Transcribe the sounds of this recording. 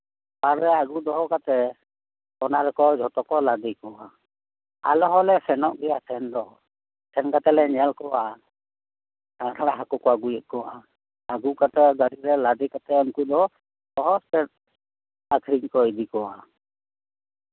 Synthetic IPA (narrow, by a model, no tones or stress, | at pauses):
paɾɛaɡud̪ɔɦɔkat̪ɛ | ɔnaɾɛkɔd͡ʒʱɔt̪ɔkɔlad̪ikɔwa | a̰lɔɦɔlɛsɛnɔʔɡɛjasʰɛnd̪ɔɦɔ | sʰɛnkat̪ɛlɛɲɛlkɔwa | tʰanatʰaɽaɦakɔkɔaɡujɛʔ̪̚kɔwa | aɡukat̪ɛɡaɾiɾɛlad̪ikat̪ɛɔŋkud̪ɔɔ | d̪ɔɦɔspɛt̚ | akʰɾiɲkɔid̪ikɔwa